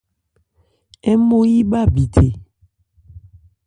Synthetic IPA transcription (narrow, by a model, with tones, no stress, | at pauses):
e˦mõ˦ji˦ba˦bi˨t̪ʰe˨